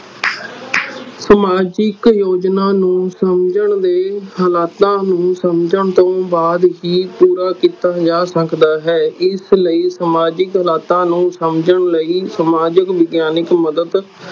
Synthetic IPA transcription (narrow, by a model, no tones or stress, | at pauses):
səmaːd͡ʒɪkjoːd͡ʒnaːnũːsəmd͡ʒəɳd̪eːɦəlaːt̪ãːnũːsəmd͡ʒəɳt̪õːbaːd̪ɦiːpuːɾaːkiːt̪aːd͡ʒaːsəkʰd̪aːɦɛːɪsləiːsəmaːd͡ʒɪkɦəlaːt̪ãːnũːsəmd͡ʒəɳləiːsəmaːd͡ʒəkʋɪɡjaːnɪkməd̪əd̪